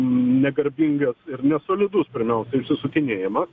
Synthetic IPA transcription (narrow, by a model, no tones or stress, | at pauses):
nʲɛɡɐɾʲbʲiŋɡɐsɪɾnʲɛsoːlʲɪd̪ʊspʲɪɾʲmʲɛʊsɛɐɪʊʃʲsʲɪsʊkʲɪnʲeːjɪmɐs